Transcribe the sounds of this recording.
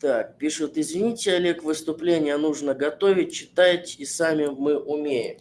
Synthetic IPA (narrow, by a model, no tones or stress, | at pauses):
t̪ak̚pʲiʂʊt̪ɪzvʲɪnʲitʲɪɐlʲekvɨst̪ʊplʲenʲɪjənuʐnəɡɐt̪o̞vʲɪt̚ʲt͡ɕːɪt̪atʲisamʲɪmɨʔʊmʲejɪ̰m